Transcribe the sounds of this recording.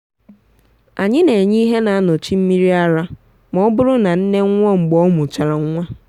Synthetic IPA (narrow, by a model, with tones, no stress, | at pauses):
a˨ɲɪ˦ne˨ɲi˦ɦe˦na˨a˦nʊ˨t͡ʃi˦m̩˦mi˦ɾi˦a˦ɾa˦ | mɔ˦bʊ˦ɾʊ˦na˨n̩˦ne˦ŋ˦ŋʷɔ˦ŋ͡m̩˨ɡ͡bɔ˦mʊ˨t͡ʃa˨ɾa˨ŋ˦ŋʷa˦